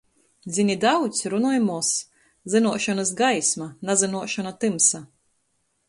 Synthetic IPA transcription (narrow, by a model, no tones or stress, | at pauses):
d̪zʲinʲid̪awt̪sʲɾunɔːjmuɔs | zɨnuɔʃɔnasɡajsmanazɨnuɔʃɔnat̪ɨmsa